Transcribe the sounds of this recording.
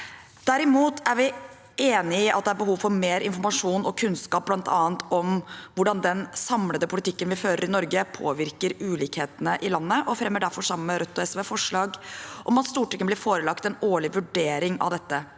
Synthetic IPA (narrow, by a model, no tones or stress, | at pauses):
d̪̥æɾɪmuːt̪ʰæɾʋɪ | eːnɪɪʔɑ̰t̪̚d̪ɛæɾbəɦuːʋfɔɾmeːɾɪ̰nfɔɾmɑʂuːnɔkʰʉnskɑːp̚b̥lɑnt̪ʰɑ̰ːənt̪ʰɔmʋʊɖɑnd̪ɛnsɑmləd̪əpʰʊlɪt̪ʰɪkːənʋɪføːɾəɾɪnɔɾɡəpʰo̰ːʋɪɾkəɾʉːliːkheːt̪ənəʔɪlɑnːəʔɔfɾɛmːəɖæɾfɔʂɑməmːəɾœt̪ːɔɛsʋeːfɔʂɭɑːɡʔɔmɑt̪st̪uːʈɛkənblɪɾfoːɾəlɑkt̪ɛnoːɭɪʋʉɖeːɾɪŋɑ̰ʋd̪ɛt̪ːə